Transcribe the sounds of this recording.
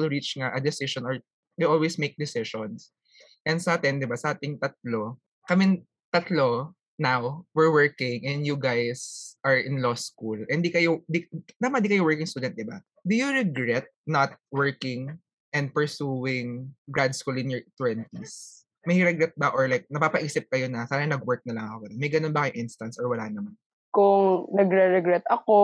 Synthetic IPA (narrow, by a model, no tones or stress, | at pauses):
lɹit͡ʃŋaʔɐd̪ɪsɪʃɔnɔɹ | d̪ejʔolwesmejk̚d̪ɪsɪʃɔ̃ns | ʔɛ̃nd̪sɐʔaːt̪ɪnd̪ɪbasɐʔaːt̪ɪŋt̪ɐt̪̚lo | kɐmɪŋ | t̪ɐt̪lo | nawwɪɹwɛɹkɪ̃ŋʔɛ̃nd̪juɡajsʔɐɹɪnloskulʔɛ̃nd̪ikɐjod̪inamɐd̪ikɐjowɛɹkɪ̃ŋst̪uːd̪ɛnt̪̚d̪ɪba | d̪ʊjʊɹɛɡɹɛt̪̚nɐt̪̚wɛɹkɪŋ | ʔɛnd̪̚pɛɹsuːwɪŋɡɹad̪skulɪnjɔɹt̪wɛnt̪is | mɐjɾɛɡɾɛt̪̚bɐʔɔɹlajk̚nɐpaːpɐʔiːsɪp̚kɐjonɐsaːnɐnɐɡwɛɹk̚nɐlɐŋʔɐkokɐt̪omɐjɡɐnonbɐkɐjʊŋʔɪnst̪ɐnsʔɔɹwɐlaːʔnɐman | kʊŋnɐɡɾɛɹɛɡɾɛt̪ɐko